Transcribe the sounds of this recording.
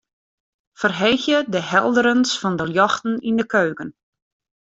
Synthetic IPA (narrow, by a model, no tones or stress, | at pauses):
fərɦejxjədəhɛlˠdəɾənsfɔndəljɔxtn̩indəkʰøːkən